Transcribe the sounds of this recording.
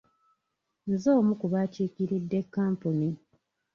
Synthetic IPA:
nzo̞ːmukuβaːciːkiɾidːe̞kːaːmpuni

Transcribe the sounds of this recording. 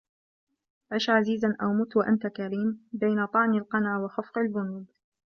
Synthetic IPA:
ʕaʃʕaziːzanʔawmʊt̪waʔant̪akaɾiːmbajnat̪ˤɑʕnalqɑnaːwɑxafqalbʊnuːd̪

